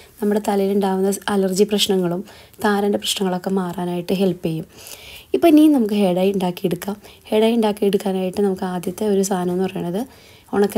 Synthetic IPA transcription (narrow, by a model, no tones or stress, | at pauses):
nɐmːuɽe̞t̪ɐlɐjiluɳɖaːʋunːɐɐlɐrd͡ʑiprɐɕnɐŋːɐɭumt̪aːɾɐndeprɐɕɳɐŋːɐɭo̞kːe̞maːraːnaːjiʈːɨɦe̞lpejumipːoːniːnɐmukːɨɦe̞ːɽaːjuɳɖaːkːijeɽukːaːmhe̞ːɽaːjuɳɖaːkːijeɽukːaːnaːjiʈːɨnɐmukːɨaːd̪jɐt̪ːeo̞ɾust̪ʰaːnɐmonːɨpɐrɐjuɳːɐðɨ | oɳɐkːe